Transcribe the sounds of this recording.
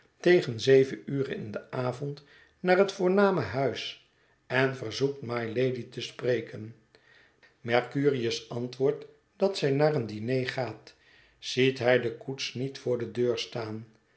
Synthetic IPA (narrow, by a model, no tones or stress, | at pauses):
tejχənzejvəyːrə̰nɪ̰ndəʔaːvɔnt | naːrɦətfʊːɹnaːməɦœɥs | ɛnvəɹzuk̚tmajlejditəsprejkən | mɛɹkyːrijəsɑntʋʊːɹt | d̥ɑtsɛjnaːrəndinejχaːt | z̥itɦɛjdəkutsnitfʊːɹdədøːɹstaːn